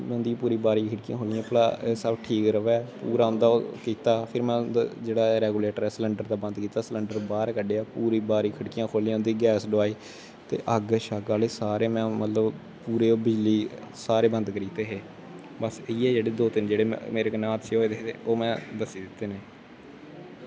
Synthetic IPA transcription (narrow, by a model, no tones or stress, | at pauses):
nd̪iːpuːɾiːbaːɾiːkʰəɽkijãːkʰoːliãːplaːeːsəbʈʰiːkɾəʋɛːpṵːɾaːʊ̃nd̪aːoːkiːt̪aːpʰɪɾmɛ̃ːd̪d͡ʒeːɽaːɾɛːɡuːleːʈəɾɛːsləɳɖəɾd̪aːbə̃nd̪kiːt̪aːsələɳɖəɾbaːɾkəɖeːaːpuːɾiːbaːɾiːkʰəɽkijãːkʰoːliːãːʊnd̪iːɡɛːsɖʊaːiː | t̪ḛːʔəɡʃaːɡaːleːsaːɾeːmɛ̃ːmət̪ləb | puːɾeːoːbɪd͡ʒliː | saːɾeːbə̃nd̪kəɾiːt̪eːɦeː | bəsɪiːɛːd͡ʒeːɽeːd̪oːt̪ɪnd͡ʒeːɽḛːmeːɾekənaːt̪ʃeːɦoːeːd̪eːḛːoːmɛ̃ːd̪əsiːd̪ɪt̪ːeːneː